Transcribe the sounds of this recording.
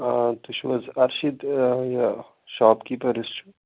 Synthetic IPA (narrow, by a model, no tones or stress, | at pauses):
at̪uʃʋɐzɐɾʃid̪ja | ʃaːpkipɐɾist͡ʃʰu